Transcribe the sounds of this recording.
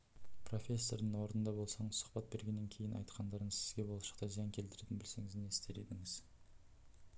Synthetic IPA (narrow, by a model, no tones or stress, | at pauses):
pro̞fʲe̞sːo̞ɾd̪əɴwo̞ɾnənd̪ɑbo̞lˠsɑɴəz̥sʊ̥χpɑt̪̚be̞ɾɡʲe̞nːeŋkʲʰe̞jɪnʔɑ̰jt̪qʰɑnd̪ɑɾəɴsɪzɡʲe̞boɑʃɑ̥qt̪ɑzijɑŋkʲʰe̞lt̪ɪɾet̪ɪnbɪlse̞ŋɪzeneɪst̪e̞ɾe̞d̪ɪŋɪz̥